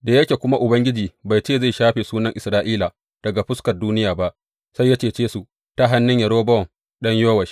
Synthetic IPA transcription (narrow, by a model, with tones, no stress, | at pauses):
da˨jɐ˦kʲe˨kʷʊ˦ma˦ʔʊ˨bɐ˦ŋɡʲɪ˦d͡ʒiː˨ba˨jt͡ʃeː˦˨za˦˨jʃaː˦ɸeː˨suː˦nɐ˦ŋʔɪ˨sɾaː˦ʔiː˦la˨ | d̥ɐ˨ɡa˨ɸʊ˦skɐ˨rduː˦nɪ˦jaː˨ba˦ʔ | sa˦jːɐ˦t͡ʃeː˨t͡ʃeː˦su˨ | ta˦ɦa˦nːɪ˦ɲjɐ˨ɽoː˦bɐ˦ɔ˨ŋ | ɗɐ˦ɲjoː˦wɐ˨ʃi̥˦